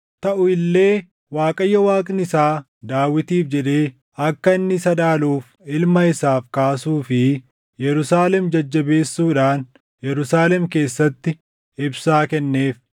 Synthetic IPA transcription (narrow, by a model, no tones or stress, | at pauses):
t̪ɐʔʊɪlːe̞ː | waːkʼɐjːɐwaːkʼnɪsaː | d̪aːwːɪt̪iːfd͡ʒɛᶑe̞ː | ɐkːɐɪnːɪsɐd̪aːluːf | ɪlmɐɪsaːfkaːsuːfɪ | jɛɾʊsaːlɛmd͡ʒɐd͡ʒːɐbe̞ːsːuːᶑaːn | jɛɾʊsaːlɛmke̞ːsːɐt̪ːɪ | ɪbsaːkɛnːe̞ːf